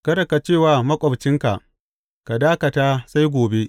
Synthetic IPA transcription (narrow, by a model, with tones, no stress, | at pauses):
kɐ˦dɐ˨ka˨t͡ʃeː˦˨waː˨mɐ˦kʷʼɔ˨bt͡ʃɪ˦ŋka̰˨ʔ | ka˨daː˦kɐ˨taː˦sa˦jɡʷoː˨be˦